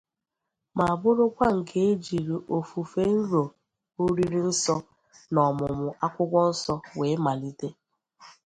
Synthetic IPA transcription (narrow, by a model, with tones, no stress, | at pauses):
ma˨a˨bʊ˦ɾʊ˦kʷa˦ŋ̩˨kʰe˦e˦d͡ʒi˨ɾi˨ʔo˨fu˨fe˦n̩˦ɾo˨ | o˦ɾi˦ɾi˦n̩˦sɔ˦ | nɔ˨mʊ˨mʊ˨ʔa˦kʷʊ˦kʷɔ˦n̩˦sɔ˦we˨˦ma˨li˦te˦